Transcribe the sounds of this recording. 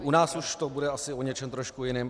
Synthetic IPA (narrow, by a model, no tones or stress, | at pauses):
ʔunaːsuʃt̪obudɛasɪʔoɲɛt͡ʃɛmt̪ɾoʃkujɪnɪːm